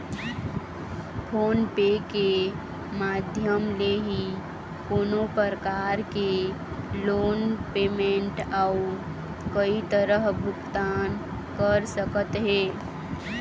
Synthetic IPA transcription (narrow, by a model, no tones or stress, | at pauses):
pʰoːnpeke | maːd̪ʱjəmleɦi | koːnopəɾkaːɾke | loːnpeːmẽɳʈau | kəit̪əɾəɦbʱʊkt̪aːn | kəɾsəkət̪ɦɛː